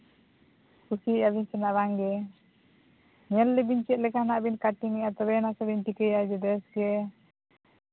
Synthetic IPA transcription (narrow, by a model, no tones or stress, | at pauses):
kusiabiɲsɛnaʔβaŋɡɛ | ɲɛlːɛbiɲt͡ʃɛʔ̪̚lɛkanaʔbinkaʈiŋɛat̪ɔbɛnasabinʈikɛjad͡ʒɛdɛsɡɛ